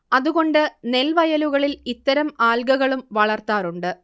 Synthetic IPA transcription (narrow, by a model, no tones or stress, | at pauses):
ɐðuɣo̞ɳɖɨne̞lʋɐjɐluɣɐɭilit̪ːɐɾɐmaːlɡɐɣɐɭumʋɐɭɐrt̪aːɾuɳɖɨ